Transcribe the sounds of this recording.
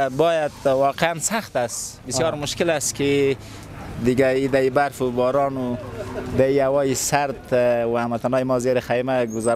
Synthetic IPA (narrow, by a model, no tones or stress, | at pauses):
bɑjad̪wɑqeansaxt̪asbɪsjɑɾmʊʃkɪlaski | d̪ɪɡaid̪aibaɾfubɔːɾɑnud̪aiawɔjisaɾt̪waamat̪anɑːjmɔzeɾaxajmaɡʊzaɾ